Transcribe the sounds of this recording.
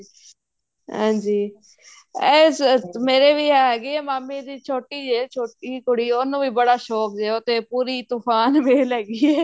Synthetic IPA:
ɦã̰ːɲd͡ʒiː | ɛːsmeːɾeːʋiːɦɛːɦɛːɡiːɛːmaːmːiːd̪iːt͡ʃʰoːʈiːd͡ʒeːt͡ʃʰoːʈikʊɽiːonũːʋiːbəɽaːʃɔːkd͡ʒeːot̪eːpuːɾiːt̪upʰaːnʋeːlɛːɡiːɛː

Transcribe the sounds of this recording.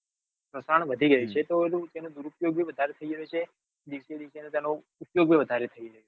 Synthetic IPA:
pɾəsaɳʋəd̪ʱiɡəit͡ʃʰet̪oelũt̪enod̪uɾupjoɡbʱiʋəd̪ʱaɾet̪ʰəiɾəut͡ʃʰe | d̪iʃed̪iʃenet̪ano | upjoɡbʱiʋəd̪ʱaɾet̪ʰəiɾəɦut͡ʃe

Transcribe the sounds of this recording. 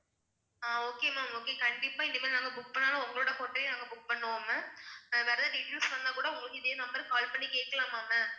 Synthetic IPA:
aːoːkeːmaːmoːkeːkɐɳɖɪpːaːɪnd̪ɐmːlnaːŋɡɐbʊk̚pɐɳːaːlãːʊŋɡɐɭoːɽɐkɔʈːɾɐjnaːŋɡɐbʊk̚pɐɳːɯʋoːmɐʋɛːɾɐðaːɖɪʈːuːsʋɐnd̪ãːkuːɽɐʊŋɐkɪd̪eːnɐmbɐɾɯkaːlpɐɳːikeːʈ̚kːɐlãːmaːmɐ

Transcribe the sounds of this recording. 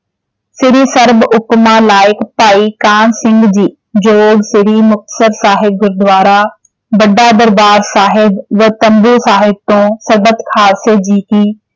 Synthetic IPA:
sɪɾisɐɾbʊpmalaːɪkpaːikaːnsɪ̃ŋɡd͡ʑiː | d͡ʑoːɡsɪɾimʊxt̪ə̥səɾsaːɦɪb̚ɡʊɾd̪ʋaːɾa | bɐɖad̪ɐɾbaːɾsaːɦɪbʋɐt̪ɐ̃mbusaːɦɪb̚t̪õːsɐɾbət̪kʰaːsed͡ʑiːkiː

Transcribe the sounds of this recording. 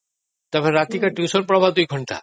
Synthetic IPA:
t̪ɔbɛɾat̪ikaʈjusɔɾpɾɔbʱaɦd̪ujɡʱɔɳʈa̰

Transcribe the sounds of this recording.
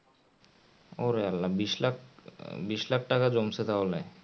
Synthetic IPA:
oɾealːabiʃlakbiʃlak̚ʈakad͡ʑomsʰet̪aɦole

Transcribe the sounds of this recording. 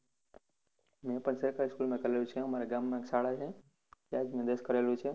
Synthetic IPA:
mẽpənsekaɪskulmẽkəɾelũt͡ʃʰeɦəmaːɾeɡaːmːẽksʰaːɽaɦẽ | t̪ad͡ʒmẽd̪eskəɾelũt͡ʃʰe

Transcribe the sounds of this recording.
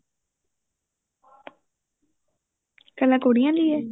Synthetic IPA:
kəlãːkoːɽijãːd̪iːɛː

